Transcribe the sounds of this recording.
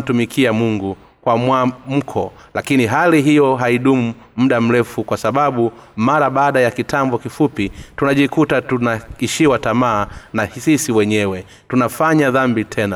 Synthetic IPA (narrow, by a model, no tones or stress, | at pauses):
tumikʰiamuŋɡu | kwamwam̩kʰɔ | lʔakiniɦaliɦijɔɦaiɗumu | mm̩ɗam̩ɾɛfukwasaɓaɓumaɾaɓaːɗajakitʰambɔkifupitunaʄikutatunaiʃiwatamaːnasisiwɛɲɛwɛ | tunafaɲaðambitʰɛna